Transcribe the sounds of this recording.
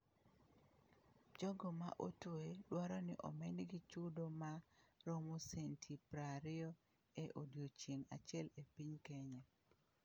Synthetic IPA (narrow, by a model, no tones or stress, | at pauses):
d͡ʒɔɡɔma̰ʔo̰tueɗwaɾɔnɪʔɔ̰menɡit͡ʃudomaɾomusentʰipɾaɾɪo | eʔodjot͡ʃiŋa̰t͡ʃɪɛlepiɲkeɲɛ